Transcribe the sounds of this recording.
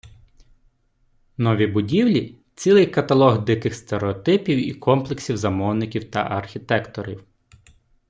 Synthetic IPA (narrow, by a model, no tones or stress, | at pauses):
nɔʋʲibʊdʲiwlʲi | t͡sʲilˠɪjkɐt̪ɐlˠɔɣd̪ɪkɪxst̪eɾeɔt̪ɪpʲiwḭkʰɔmplˠeksʲiwzɐmɔwnɪkʲiwt̪ɐ̰ʔɐrxʲit̪ɛkt̪ɔɾʲiw